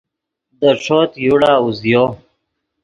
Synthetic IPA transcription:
d̪əʂot̪juɽaːuzjoː

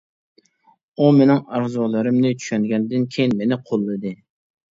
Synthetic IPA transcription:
umenɪŋɑɾzɔlˠɨɾɨmnɪt͡ʃʰy̥ʃɛnɡʲɛnd̪ɪnkʲʰejɪnmenɪqʰolˠːɨd̪ɨ

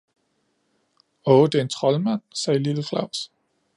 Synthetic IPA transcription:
ɔːd̥e̝e̝nt͡sʰʁɒ̽lmæn̰sɛːliləflɑ̈ʊ̰s

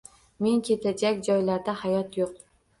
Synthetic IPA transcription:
me̞ŋkʲʰe̞t̪ʰad͡ʒakʲd͡ʒɒjlaɾd̪ahajɒt̪joq

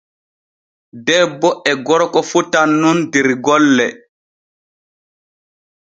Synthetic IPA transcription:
dɛbːɔʔɛɡɔɾɔkɔfutanːundiɾɡɔlːɛ

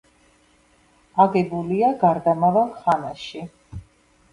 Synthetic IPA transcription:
aɡɛbuliaɡaɾd̪amavalˠχanaʃi

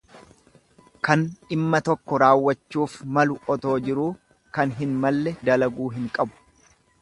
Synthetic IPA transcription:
kɐnɪmːɐt̪ɔkːɔɾaːwːɐt͡ʃːuːfmɐlʊɔt̪o̞ːd͡ʒɪɾuː | kɐnɦɪnmɐlːɛd̪ɐlɐɡuːɦɪŋkʼɐbʊ̥

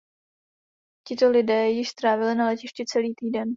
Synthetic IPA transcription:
cɪt̪o̞lɪdɛːjɪʃst̪ɾaːvɪlɪnalɛcɪʃcɪt͡sɛliːt̪iːdɛn

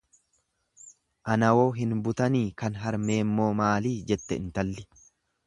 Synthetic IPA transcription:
ʔɐnɐwo̞ːɦɪnbʊt̪ɐniːkɐnɦɐɾme̞ːmːo̞ːmaːliːd͡ʒɛt̪ːɛ̰ɪnt̪ɐlːɪ̥

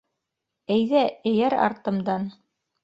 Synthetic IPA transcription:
æjðæɘ̆jæɾɑ̰ɾt̪ɤ̆md̪ɑn

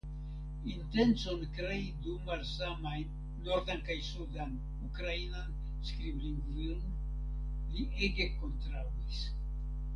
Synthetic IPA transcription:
inte̞nt͡so̞nkɾeidumaɾsamajː | oɾd̪ankajsudan | ukɾainan | skɾibliŋɡviln | liʔeɡe̞ko̞ntɾawis

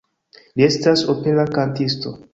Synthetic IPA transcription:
lie̞stasope̞lakantisto̞

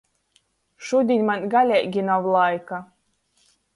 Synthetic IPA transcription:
ʃud̪ʲinʲmanʲɡalʲɛjɡʲinawlˠajka

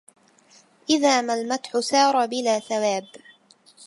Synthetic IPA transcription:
ʔɪðaːmalmat̪ħʊsɑːɾˤɑbɪlaːθawaːb

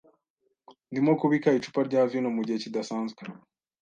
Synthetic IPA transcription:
ndimokuβikait͡ʃu̥paɾɟaːvjinomuɟihe̞cidasaːnzɡe

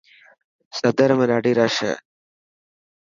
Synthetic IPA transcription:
sɐd̪ɐɾɐmɐɾaːɖiɾaːʂɐ̰

